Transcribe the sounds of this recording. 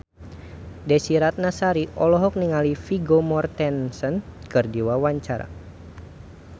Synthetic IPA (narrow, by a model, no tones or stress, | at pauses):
dɛsiɾat̪̚nasaɾiʔɔlɔɦɔk̚niŋalifiɡomɔrt̪ɛnsɔnkɨrdiwawaɲt͡ʃaɾa̰